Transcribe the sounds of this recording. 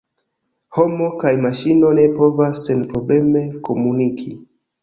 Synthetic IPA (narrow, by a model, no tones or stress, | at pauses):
ho̞mokajmaʃino̞ne̞po̞vasːenpɾo̞ble̞me̞ko̞munikʰi